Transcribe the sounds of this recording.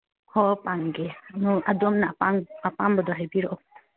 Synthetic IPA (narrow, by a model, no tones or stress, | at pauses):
hɔpaŋɡɛnɔadɔmnaʔpaŋapambɔdɔɦɛbiɾɔʔɔ